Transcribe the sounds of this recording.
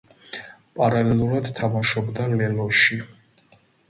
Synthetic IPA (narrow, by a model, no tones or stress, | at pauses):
pʼaɾalɛlˠuɾad̪t̪ʰamaʃɔbd̪alɛlɔʃi